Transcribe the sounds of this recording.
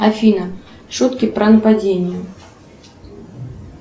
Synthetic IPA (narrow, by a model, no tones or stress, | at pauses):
afʲinɐ | ʂut̪kʲipɾɐnɐpad͡zʲenʲjɛ